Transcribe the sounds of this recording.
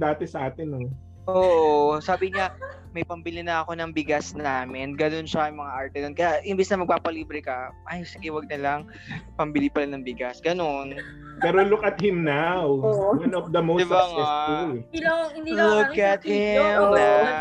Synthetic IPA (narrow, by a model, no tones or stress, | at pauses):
d̪aːt̪ɛsɐʔaːt̪ɪno | ʔoːʔosaːbɪɲa | mɐjpɐmbɪlinɐɐko̞nɐŋbɪɡasnaːmɪnɡɐno̞nʃɐɐjmɐŋaʔaɹt̪ɛnonkɐjaʔɪnbɪsnɐmɐɡ̚paːpɐliːbɾɛkɐʔajsɪɡɛwɐɡ̚nɐlaŋ | pɐmbɪlipɐlanɐŋbɪɡasɡ̥ɐno̞n | pɛːɾolʊkɐt̪̚hɪmnawwɐnɔfd̪ɐmod̪ɪbaŋɛasu | lʊkɐt̪̚hɪmna